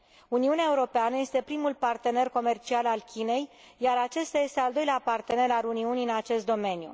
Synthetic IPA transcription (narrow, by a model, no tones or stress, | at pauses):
uniuneaeuɾo̞peanəje̞st̪e̞pɾimulpart̪e̞ne̞rko̞me̞rt͡ʃialalkʲine̞j | jaɾat͡ʃe̞st̪aje̞st̪e̞ald̪o̞jleapart̪e̞ne̞ɾaluniuniɨnat͡ʃe̞st̪d̪o̞me̞njṵ